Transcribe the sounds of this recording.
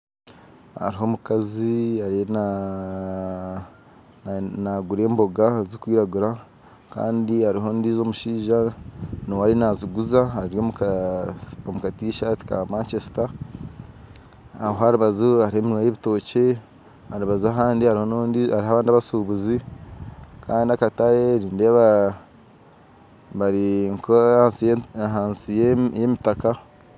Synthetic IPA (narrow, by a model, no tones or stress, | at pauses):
ha̰ɾiɦo̞ːmukaziaɾna | naɡuɾe̞ːmbo̞ɡazikwiːɾaɡuɾa | ka̰ːndiaɾiɦo̞ndiːzo̞ːmuʃiːʒanowaɾinaziɡuzaaɾiɾjo̞ːmu | omukatiːʃati̥ka̰maːnt͡ʃesi̥ta | aɦoaɾuβazuaɾiheminwajeβito̞ːce̞ | haɾuβazuaɦaːndihaɾihoaɾiɦaβaːndiaβasuːβuzi | kʰaːndiakataɾeɾiːndeβa | βaɾiŋkoasiɦaːnsijejemitaka